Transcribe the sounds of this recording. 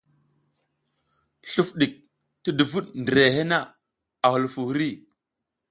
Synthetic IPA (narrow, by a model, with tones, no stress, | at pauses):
ɬu˦fɗi˨k̚ | ti˦du˨vu˦ɗndɾe˨he˦na˦˨ | a˨hu˨lfu˨hu˦ɾi˦˨